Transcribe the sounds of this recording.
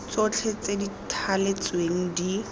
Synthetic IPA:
t͡sot͡ɬʰet͡seditʰalet͡sweŋ̩di

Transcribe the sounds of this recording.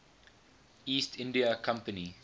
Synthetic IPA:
iːstʰɪ̃ndiəkʰãmpəni

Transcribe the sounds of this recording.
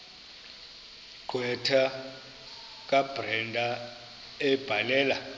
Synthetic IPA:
ɡ͡ǃʱwɛtʰa | k̬ʼab̥rɛndʱa | ɛb̥ʱalɛːla

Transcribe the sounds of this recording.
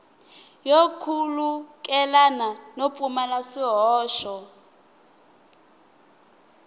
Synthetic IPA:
jokʰulukʼɛlananop̪fʼumalasiɦɔːʃɔ

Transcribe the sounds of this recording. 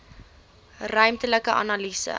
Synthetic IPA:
rœɥmtələkəʔɐ̰nɑlisə̰

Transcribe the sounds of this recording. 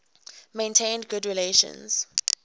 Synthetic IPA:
mẽntʰẽɪ̃ndɡʊdɹileʃɔ̰̃nz̥

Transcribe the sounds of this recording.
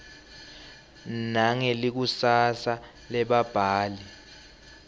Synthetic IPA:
naŋelik̬usasa | lɛɓab̥ʱaːli

